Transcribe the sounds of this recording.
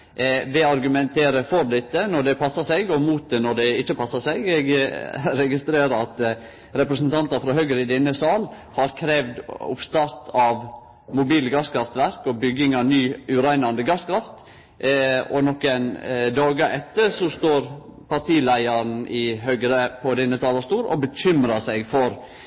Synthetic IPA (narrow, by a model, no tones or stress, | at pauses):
ʋɛɑɾɡʉmɛnt̪ʰeːɾəfɔɾd̪ɪt̪ːənɔɖ̪ɛpʰɑsːɑsɛɡɔmuːt̪̚d̪ɛnɔɖ̪ɛɪt͡ʃːəpʰɑsɑsɛɡɛɡɾɛɡɪst̪ɾeːɾəɾɑt̪ | ɾɛpɾəsnt̪ʰɑnt̪ɑfɾɑhœɡɾəɪd̪ɛnːəsɑːl | hɑɾkʰɾeːʋd̪ʊ̰pst̪ɑɾt̪ʰɑʋ | mʊbiːləɡɑskʰɾɑft̪ʋæɾkɔbʏɡɪŋɑʋnyːʉɾæɪnɑnd̪əɡɑskʰɾɑft̪ | ɔnɔkːɛnd̪ɑːɡəʔɛt̪ːəɾsɔst̪oːɾpɑɾt̪ʰiːlæɪɑɾn̩ʔɪɦœɡɾəpʰɔd̪ɛnːət̪ʰɑːlɑst̪uːɾɔ̰bəɕʏmɾɑsæɪɡfɔɾ